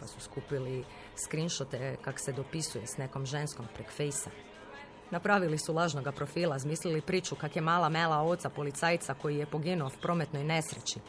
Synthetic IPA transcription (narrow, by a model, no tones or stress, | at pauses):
pasuskupili | skɾinʃot̪ekaksed̪o̞pisujesne̞ko̞mʒe̞nsko̞mpɾekfejsa | napɾaʋilisulˠaːʒno̞ɡapɾo̞fiːlˠazmiːslilipɾiːt͡ʃukakjemaːlˠamelˠao̞t̪sapo̞lit̪saːjt̪sako̞jijepo̞ɡinuowpɾʔo̞ːmet̪no̞jne̞sɾet͡ʃi